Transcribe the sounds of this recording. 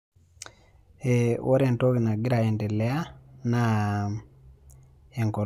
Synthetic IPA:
ewʔo˦ɾe˨nto˦ki˨na˨ɡi˦ɾa˨ɛ˨ntɛ˨lɛ˦a˦na | e˨ŋkɔ˨

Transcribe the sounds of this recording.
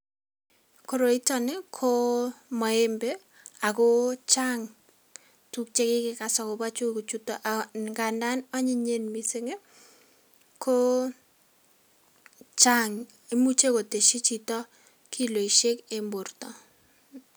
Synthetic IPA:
ko˨ɾo˨i˦tɔ˦nɪ˦kʰo˦mɔ˨e˦mbe˦ | a˨ko˦t͡ʃa˦ŋ | tu˦k̚t͡ʃe˦kɪ˦kɪ˨ka˨sɔ˨ko˨ba˦t͡ʃu˦ku˨t͡ʃu˦tɔ˨ʔaŋɡa˨nda˦nɔ˦ɲɪ˦ɲe˦nmi˨se˦ŋe˦ | kʰo˦ | t͡ʃa˦ŋ | i˦mu˦t͡ʃe˦ko˨te˨ʃi˦t͡ʃi˨tɔ˦ | kʰi˦lo˨i˨ʃe˦ke˨mbo˨rtɔ˨

